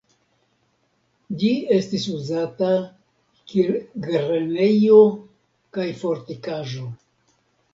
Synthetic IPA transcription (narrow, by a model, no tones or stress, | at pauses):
d͡ʒie̞stisuzata | kiɾɡeɾene̞jo̞ | kajfo̞ɾtikaʒo̞